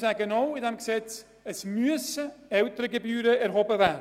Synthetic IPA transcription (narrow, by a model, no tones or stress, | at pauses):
sɛɡənɔwɪndɛmɡəsɛt͡s | əsmyəsəœwtəɾəɡəbyːɾəærɦɔbəvæ